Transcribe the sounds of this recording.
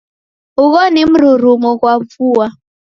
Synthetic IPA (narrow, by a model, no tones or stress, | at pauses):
uɣɔnɪm̩ɾuɾumokwavuwa